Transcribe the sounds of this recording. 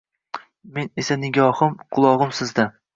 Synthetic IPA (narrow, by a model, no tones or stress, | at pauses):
menesanɪɡʲɒhɨmqʰʊlˠɒʁɨmsɪzd̪a